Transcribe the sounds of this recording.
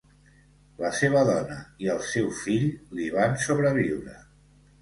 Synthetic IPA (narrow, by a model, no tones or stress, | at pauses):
ləseβəðɔnəiəlˠsɛwfiʎliβansoβɾəβ̞iwɾə̰